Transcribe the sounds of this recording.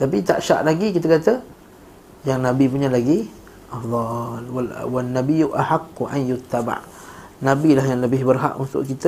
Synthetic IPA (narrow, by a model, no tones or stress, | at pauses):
t̪apit̪a̰ʔʃa̰ʔlaɡikit̪əkat̪a | jaŋnãbipuɲãlaɡi | ʔafd̪ˤɑlawanːabijuʔahaqːuʔa̰njʊt̪ːaba̰ʔ | nabilahjaŋləbɪhbərɦa̰ʔunt̪ʊ̰ʔkit̪ə